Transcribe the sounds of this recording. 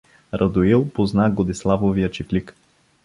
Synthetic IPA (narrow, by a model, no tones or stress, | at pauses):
ɾɐd̪oilˠpoznaɡod̪islˠavovijət͡ʃiklik